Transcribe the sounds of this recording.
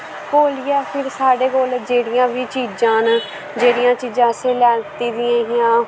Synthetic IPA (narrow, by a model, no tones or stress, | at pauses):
koːlɪjaːpʰɪɾsaːɖeːkoːld͡ʒeːɽɪjãːʋiːt͡ʃiːd͡ʒãːn | d͡ʒeːɽɪjãːt͡ʃiːd͡ʒãːseːlɛːnt̪iːd̪ɪjãːɦɪjãː